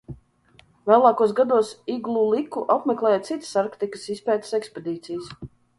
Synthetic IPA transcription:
vɛlˠɑːkuɔsɡad̪uɔsiɡlˠulˠikuʔapmʲɛklˠɛːjat̪sit̪saɾkt̪ikə̥sispɛːt̪ə̥sɛkspʲed̪iːt̪sijs

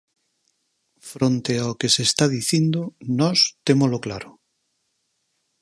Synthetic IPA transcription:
fɾont̪eaokesest̪aðiθind̪onɔst̪emolokla̰ɾo

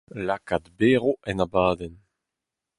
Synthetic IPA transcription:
lakad̪beːʁoʔɛnabaːd̪ɛn

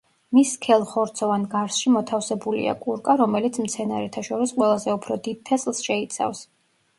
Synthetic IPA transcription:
miskʰɛlˠχɔɾt̪sʰɔvanɡaɾsʃimɔt̪ʰafsɛbulḭa̰kʼuɾkʼaɾɔmɛlit̪sʰmt̪sʰɛnaɾɛt̪ʰaʃɔɾisqʼwɛlˠazɛupʰɾɔd̪id̪̚t̪ʰɛslˠsʃɛit̪sʰa̰fs

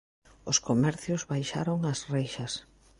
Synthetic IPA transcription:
ʊskomɛɾθjʊzβajʃa̰ɾoŋɐsrejʃɐs

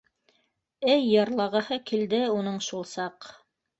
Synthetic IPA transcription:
ɘjːɑɾlˠɑʁɤ̆hɤkild̪ɘunɤɴʃulˠsɑq

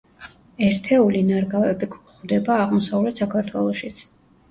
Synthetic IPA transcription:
ɛɾt̪ʰɛulinaɾɡavɛbikʰχvd̪ɛbaːʁmɔsavlɛt̪sakʰaɾt̪ʰwɛlˠɔʃit̪sʰ

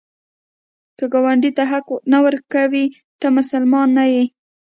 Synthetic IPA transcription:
kəɡawaɳɖit̪aɦaknawəɾkawi | t̪əmʊsalmɑnːaji

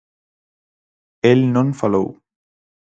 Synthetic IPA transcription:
ɪlnɔnfalo̰w

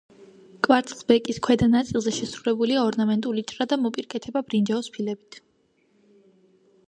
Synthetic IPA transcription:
kʼvaɾt̪ʰʼlbɛkʼiskʰwɛd̪anat̪sʼilˠzɛʃɛsɾulɛbuliaɔɾnamɛnt̪ʼulit͡ʃʼɾad̪amɔpʼiɾkʼɛt̪ʰɛbabɾind͡ʒaɔspʰilɛbit̪ʰ

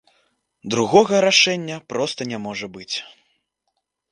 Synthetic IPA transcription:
d̪ɾuɣɔɣɐɾaʂɛnʲːɐpɾɔst̪ɐnʲamɔʐɐbɨt͡sʲ

